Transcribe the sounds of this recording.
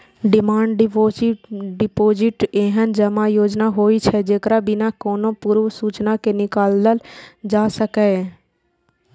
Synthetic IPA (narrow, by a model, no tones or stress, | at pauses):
ɖɪmaːɳɖɖoɖɪpoːd͡ʒɪʈeːɦənd͡ʒəmajoːd͡ʒnaɦoːit͡ʃʰɛd͡ʒeːkɾabɪnakoːnopuɾʋsuːt͡ʃnakenɪkaːlːəld͡ʒaːsəkɛ